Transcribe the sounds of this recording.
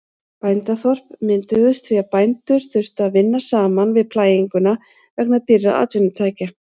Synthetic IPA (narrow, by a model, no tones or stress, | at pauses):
pajnt̪aθɔr̥pmɪnt̪ʏðʏst̪ʰviapajnt̪ʏɾ̥θʏr̥t̪ʏaðvɪnːasaːmanvɪðpʰlaːjiŋkʏna | vɛknat̪irːaʔa̰ːt̪vɪnʏt̪ʰaːjca